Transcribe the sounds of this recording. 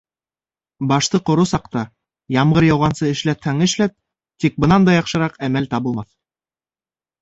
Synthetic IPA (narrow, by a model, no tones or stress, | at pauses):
bɑʃt̪ɤqŏɾusɑqt̪ɑ | jɑmʁɤɾjɑwʁɑnsɤɘ̆ʃlæt̪hæŋɘ̆ʃlæp̚ | t̪ik̚bɤ̆nɑnd̪ɑjɑχʃɤ̆ɾɑqæmælt̪ɑβɤ̆lˠmɑθ